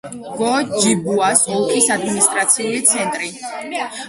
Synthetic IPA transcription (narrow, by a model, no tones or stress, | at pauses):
ɡ̥ɔd͡ʒibuasukʰisad̪minist̪ʼɾat̪sʰiulit̪sʰɛnt̪ʼɾi